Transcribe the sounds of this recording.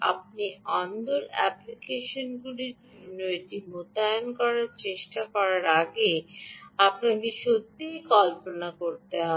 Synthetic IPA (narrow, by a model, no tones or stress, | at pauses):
a̰p̚niɔnd̪oɾɛ̰plikeʃonɡuliɾ | unoeʈimot̪ajonkɔɾaɾt͡ɕeʃʈakɔɾaɾaɡe | apnad̪iʃod̪ʱikɔlponakoɾt̪eɦɔ